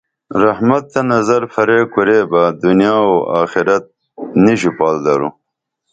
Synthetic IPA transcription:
ɾahmat̪ːɐnɐzɐɾfɐɾeːkuɾebad̪unjɑːoaːxɪɾɐt̪̚ | niɕupɑːld̪ɐɾṵ

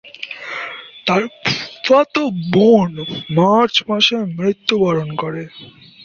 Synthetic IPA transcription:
t̪aɾpfat̪obonmaɾt͡ɕmaʃemɾit̪ːubaɾonkoɾe

